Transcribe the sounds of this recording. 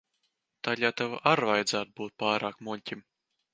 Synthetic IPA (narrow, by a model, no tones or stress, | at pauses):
t̪alʲaːt̪ava̰ʔaɾvajd̪zæːt̪̚buːt̪̚paːɾaːkmulʲtʲim